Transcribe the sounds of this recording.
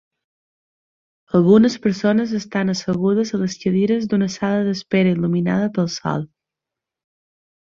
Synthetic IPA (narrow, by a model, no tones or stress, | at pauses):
əlˠɣunəspəɾsonəzəst̪anəsəɣuð̞əzələskəðiɾəzd̪unəsaləðəspeɾəilumina̰ð̞əpəlˠsɔ̰lˠ